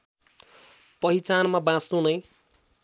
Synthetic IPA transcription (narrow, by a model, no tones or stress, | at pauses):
pʌɦit͡sanmabãst̪unʌj